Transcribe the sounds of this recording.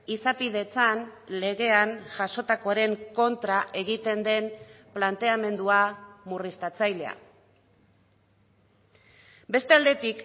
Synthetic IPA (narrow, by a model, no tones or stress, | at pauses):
isapið̞e̞t͡sanle̞ɣ̞e̞anʝaso̞t̪ako̞ɾe̞ŋko̞nt̪ɾaʔe̞ɣit̪e̞nd̪e̞n | plant̪e̞ame̞nd̪uamurist̪at͡sajle̞a̰ | be̞st̪e̞ald̪e̞t̪ik